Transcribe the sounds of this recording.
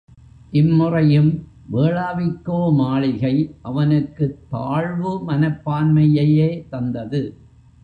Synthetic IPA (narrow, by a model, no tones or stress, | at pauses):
ʔɪmːʊrɐjɯm | ʋeːɭaːʋɪkːoːmaːɭɪɣɐɪʔɐʋɐnɯkːɯt̪ːaːɻʋɯmɐnɐpːaːnmɐjɐjeːt̪ɐnd̪ɐðɯ